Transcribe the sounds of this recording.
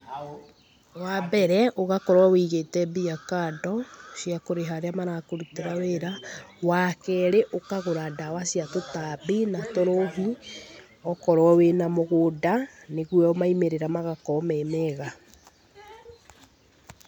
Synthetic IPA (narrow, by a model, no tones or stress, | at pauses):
wabɛɾɛʔoɣakɔɾwawiːɣetɛbiakaːdɔʃjakoɾeɦaɾeamanakoɾuteɾaweɾawakɛɾeʔokaɣoɾadawasiatotabinatoɾoɦi | ɔkɔɾwɔwenamoɣodaneɣwɛɔmaimeɾeɾamaɣakɔmɛmɛɣa